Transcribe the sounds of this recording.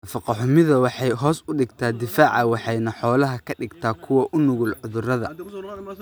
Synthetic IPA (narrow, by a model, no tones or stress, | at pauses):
fɑqɑħʊmɪðɐwɑħɑjɦɔːsʊɖɪɡt̪ʰaːd̪ɪfaːʕɑwɑħɑjnɐħɔːlɐɦɐkʰɐɖɪɡt̪ʰaːkʰʊwɐʔʊnʊɣʊlʕʊðʊrɐðɐ